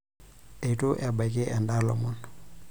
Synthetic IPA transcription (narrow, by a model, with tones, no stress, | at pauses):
e˨i˨tʼʊ˦ʔɛ˨ba˨i˨kʼɪ˦ʔɛ˨nda˦lɔ̰˨mʊ˦n